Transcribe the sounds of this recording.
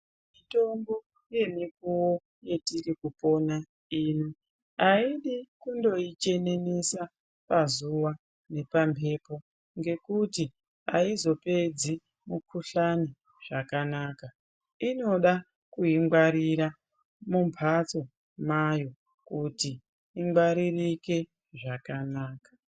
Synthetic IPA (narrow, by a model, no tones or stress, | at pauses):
mito̞mbo | je̞mikuwo | je̞tirikupo̞na | iːni | aiɗikundo̞it͡ʃe̞ne̞nesa | pazuwa | ne̞pampʰe̞po̞ | ŋɡe̞kuti | ɦa̰izo̞pe̞d͡zi | mukʰuɬani | ʐ̥akanaːka | ino̞ɗa | kuiŋɡwaɾiɾa | mumpʰat͡so̞ | majo̞ | kutiː | ŋɡwaɾirike̞ | ʐakanaːkḁ